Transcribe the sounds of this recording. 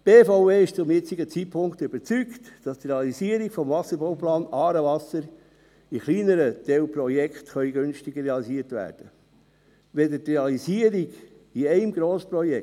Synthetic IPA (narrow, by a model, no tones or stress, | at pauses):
b̥eːfoʊveːɪʃt͡sʊmjɪt͡siɡət͡sit̚pʰʊŋkt̪ʏb̥əɾt͡syktd̥ɑst̪ɾeɑliziəɾikfɔmvɑsːəɾbowplɑːnɑːɾəʋɑsəɾ | iχliːnəɾəd̥̪ɛwprɔjɛkχtχœʏɥɡønʃtiɡəreɑlisiːəɾtʋæ̰ːɾd̥ə | ʋɛdətɾeɑliziəɾiɡ | iɛɪmɡɾoːsprɔjɛ